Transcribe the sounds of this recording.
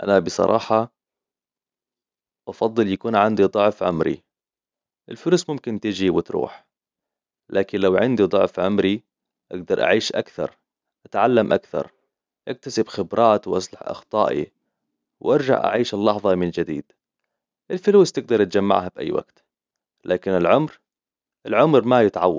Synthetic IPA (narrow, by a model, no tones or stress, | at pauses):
ʔa̰nabɨsˤɑ̰ɾˤʔɑ̰ːħɑ | ʔɑfɑd̪ˤːɨljakuːnʕand̪id̪ˤʊʕfʕʊmɾḭ | ʔɪlfʊluːsmʊmkɪnt̪ɪd͡ʒiwɪt̪ɾṵːħ | lʔaːkɪnlawʕɪnd̪id̪ˤʊʕfʕʊmɾi | ʔaɡd̪ɑɾˤʔa̰ʕiːʃʔa̰kθɑ̰ɾˤ | ʔat̪ʕalːamʔakθɑ̰ɾˤ | ʔak̚t̪asɪbxɪbɾˤʔɑːt̪wʔɑsˤlɑħʔɑ̰xt̪ˤɑ̰ːʔḭ | wʔɑɾˤd͡ʒa̰ʕʔa̰ʕiːʃɪlːɑħðˤɑmɪnd͡ʒɪd̪ḭːd̪̥ | ʔɪlfɪluːst̪ɪɡ̚d̪ɑɾˤt̪d͡ʒamːa̰ʕɦabʔa̰jːwa̰ɡ̥t̪ | lʔaːkɪnɪlʕʊmɾ | ʔɪlʕʊmɾmajɪt̪ʕawː